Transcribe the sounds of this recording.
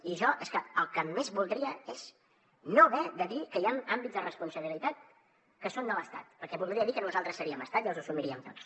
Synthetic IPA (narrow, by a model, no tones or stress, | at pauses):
iʒɔʔeskəəlˠkəmezβulˠd̪ɾiəez̥ | noβɛðəðikəianambidzðərəspunsəβilit̪at̪̚ | kəsond̪ələst̪a̰t̪̚pəɾkɛβulˠd̪ɾiəðikənuzalˠt̪ɾəsːəɾiəməst̪at̪iəlˠzəsumiɾiəmt̪os